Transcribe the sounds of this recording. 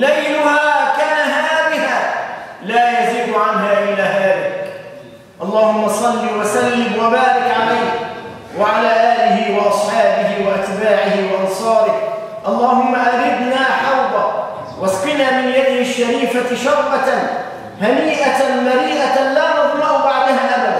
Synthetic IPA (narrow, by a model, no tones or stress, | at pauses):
lajlʊhaːkaːnaɦahaːmɪhalaːjaziːd̪ʊʕanɦaːʔɪlaːɦaːðak | ʔɑlˤːɑːhʊmːɑsˤɑlːiːwasalːɪmwabaːɾɪkʕalajh | waʕalaːʔaːlɪhɪwɑʔɑsˤħɑːbɪhɪwaʔat̪baːʕɪhɪwɑʔɑnsˤɑːɾɪ | ʔɑlˤːɑːhʊmːaʔaɾɪb̪naːħɑɾd̪ˤɑ | waskɪnaːmɪnjad̪ɪhɪʃːaɾiːfaʃɑwʔɑ | haniːʔamaɾiːʔalaːmɑðmɑʔʊbaʕd̪ahaʔama